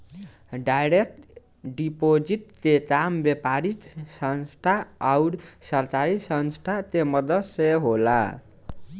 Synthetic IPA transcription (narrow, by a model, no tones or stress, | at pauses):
ɖajɾek̚ʈ | ɖipod͡ʒiʈ̚t̪et̪ambjepaɾit̪sʌnsʈʰaawɾsʌɾt̪aɾisʌnsʈʰat̪emʌd̪ʌseɦola